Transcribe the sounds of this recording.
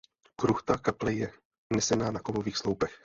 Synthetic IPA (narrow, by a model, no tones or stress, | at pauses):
kɾuxt̪akaplɛjɛ | unɛsɛnaːnakovoviːxslowpɛx